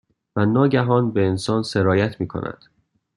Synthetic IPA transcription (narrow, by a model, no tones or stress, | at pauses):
vænɒːɟæɦɒːnbe̞ːnsɒːnse̞ɾɒːjæt̪ʰmiːkʰo̞̰nʔæ̰d̪̥